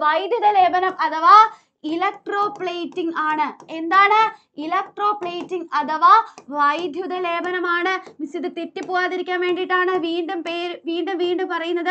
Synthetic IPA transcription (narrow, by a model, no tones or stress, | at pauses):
ʋɐjd̪ʱjuðɐleːbɐnɐmɐt̪ɐʋaː | ɪlɐk̚ʈɾoːpɭeːʈːiŋɡaːɳɐɛnd̪aːnɐ | ɪlɐk̚ʈroːpleːʈːiŋɐt̪ɐʋaːʋɐjd̪ʱjuðɐleːbɐnɐmaːɳɨʋɪsɐðɯt̪eʈːipːoːjaːðiɾikʲːaːmʋeːɳɖiʈːaːnɨʋiːɳɖɯmpeːɾʋiːɳɖɯmʋiːɳɖɯmpɐrɐjɯnːɐðɨ